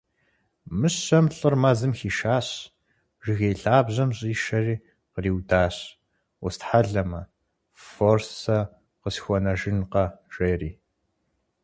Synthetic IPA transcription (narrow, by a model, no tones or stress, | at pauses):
mɨɕɐmɬʼɨrmaːzɨmxiːʃaːɕ | ʒɪɣejɬaːbʑɐmɕʼiːʃɐriː | qəriːwdaːɕ | wʊstħaɮɐmɐ | forsɐ | qəsxʷɔnɐʒɪnqɐʒ̥eːriː